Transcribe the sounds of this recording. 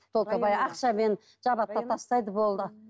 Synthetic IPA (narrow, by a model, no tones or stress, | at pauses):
t̪ʰo̞lˠk̪obɑjɑqʃɑme̞n | ʒ̥ɑbɑp̚t̪ɑt̪ʰɑst̪ɑjd̪əbo̞lˠd̪ə